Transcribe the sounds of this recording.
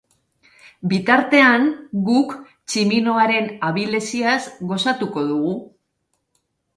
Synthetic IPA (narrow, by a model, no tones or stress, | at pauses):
bit̪aɾt̪e̞aŋɡuk | t͡ʃimino̞aɾe̞naβile̞siasɣo̞sat̪uko̞ðuɣu